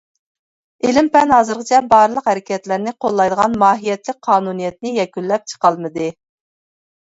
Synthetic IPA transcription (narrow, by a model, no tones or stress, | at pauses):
ɪlɪmpɛnɦɑːzɨɾqʰət͡ʃʰɛbɑːɾlˠəqhæɾɪkʲʰɛt̪lɪɾnɪqʰolˠːɑjd̪əʁɑnmɑːɦijɛt̪lɪk̚ʲqʰɑːnunijɛt̪nɪjɛkʲylːɛp̚t͡ʃʰə̥qɑlˠmɨd̪ɨ